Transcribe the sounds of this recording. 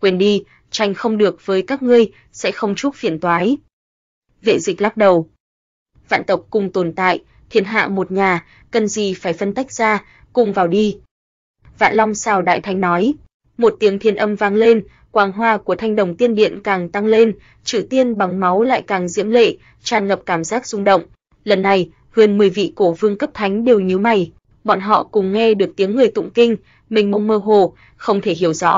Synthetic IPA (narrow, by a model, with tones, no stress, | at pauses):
kwe˧nɗi˧ | t͡ɕa˧jŋ̟xə˧wŋ͡mɗɨ˨˩ək̚vəː˨˦jkaː˦˥k̚ŋɨ˧əj | sɛ̰˧˥xə˧wŋ͡mt͡ɕu˦˥k͡p̚fi˨˧˩ənt̪waː˨˦j | vḛ˧˨zï˨˩k̟̚laː˦˥t̚ɗə˨˩w | va̰ː˧˨nt̪ə˨˩wk͡p̚kʊ˨˩ŋ͡mt̪o˨˩nt̪a̰ː˧˨j | t̪ʰi˨˦ənɦa̰ː˧˨mo˨˩t̚ɲaː˨˩ | kə˨˩nzi˨˩faː˧˩jfə˧nt̪a˦˥jk̟̚z̥aː˧ | kʊ̰˧˨ŋ͡mvaː˨˩wɗi˧ | va̰ː˧˨nlɔ˧wŋ͡msaː˧˩wɗa̰ː˧˨jt̪ʰa˨˩jŋ̟nɔ˨˦j | mo˨˩t̚t̪i˨˦əŋt̪ʰi˧ənʔə˧mvaː˧ŋle˧n | kwaː˨˩nɦwaː˧ku˧˩ət̪ʰjŋ̟ɗə˨˧˩wŋ͡mt̪i˧ənɗḭ˧˨ənkaː˨˩ŋt̪a˧ŋle˧n | t͡ɕɨ̰˧˩t̪i˧ənɓa˨˩ŋma˨˦wla̰ː˧˨jkaː˨˩ŋzḭ˧˥əmlḛ˧˨ | t͡ɕaː˧˩nŋə˨˩p̚kaː˧˩mzaː˦˥k̚z̥ʊ˧ŋ͡mɗə̰˧˨wŋ͡m | lə˨˩nːa˨˩j | hɨ˨˩ənmɨ˨˩əjvḭ˧˨ko˧˩vɨ˧əŋkə˦˥p̚t̪ʰa˨˦jŋ̟ɗe˨˩wɲi˨˦wma˧˩j | ɓɔ̰˧˨nɦɔ̰˧˨kʊ˨˩ŋ͡mŋɛ˧ɗɨ˨˩ək̚t̪i˨˦əŋːɨ˨˩əjt̪ʊ̰˧˨ŋ͡mkï˧ŋ̟ | mï˨˩ŋmə˧wŋ͡mməː˧ɦo˧˩ | xə˧wŋ͡mt̪ʰe˧˩ɦi˧˩əwzɔ̰˧˥